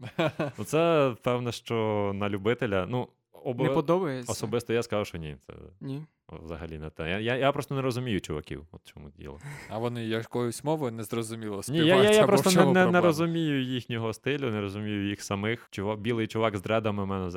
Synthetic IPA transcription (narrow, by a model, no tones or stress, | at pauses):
nʊt̪sɛpɛwnɛʃt͡ʃɔnɐlʲʊbɪt̪elʲɐnu | ɔbpɔd̪ɔbɐjɛɔsɔbɪst̪ɔjaskɐzawʃt͡ʃɔnʲḭt̪sɛ̰nʲi | ʋzɐ̰ɦɐ̰lʲinɛt̪ɛjajajapɾɔst̪ɔnɛɾɔzʊmʲijʊt͡ʃʊʋɐ̰kʲḭwɔt̪t͡ʃɔmṵdʲḭlˠɐɐʋɔnɪjɐkɔjʊsʲmɔʋʊnɛzrɔzʊmʲilˠɔsʲnʲijajajapɾɔt̪ɔnɛnɛnɛɾɔzʊmʲijʊjixnʲɔɦɔst̪ɪlʲʊnɛɾɔzʊmʲijʊjixsɐmɪxt͡ʃʊʋabʲilˠɪjt͡ʃʊʋaɡzd̪ɾɛd̪ɐmɪmɛnɛz